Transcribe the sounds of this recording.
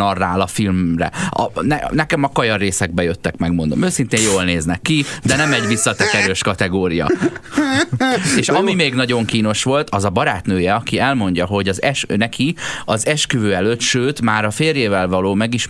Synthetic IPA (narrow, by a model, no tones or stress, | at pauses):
ɒrːaːlɒfilmrɛ̰ɒ̰nɛnɛkɛmɒkɒjɒrːeːsɛɡ̚bɛjøt̪ːɛkmɛɡmond̪omøːsint̪eːjjoːlneːznɛkːid̪ɛnɛmɛɟvisːɒt̪ɛkɛɾøːʃkɒt̪ɛɡoːɾijɒ̰ | eːʃɒmimeːɡnɒɟo̞ŋkiːno̞ʃʋo̞lt̪ɒzɒbɒɾaːt̪nøːjɛɒkiɛlmo̞ɲɟɒɦo̞ɟɒzɛʃnɛkʰiɒzɛʃkyvøːɛløt̪ʃøːt̪maːɾɒfeːrjeːvɛlvɒloːmɛɡiʃ